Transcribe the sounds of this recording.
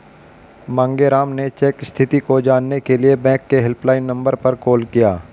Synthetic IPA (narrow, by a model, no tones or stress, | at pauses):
mãːŋɡeɾaːmnet͡ʃeːkst̪ʰɪt̪ikod͡ʒaːnːekeliebɛ̃ːkːeɦɪlplaːɪnːɐ̃mbəɾpɐɾkoːlkijaː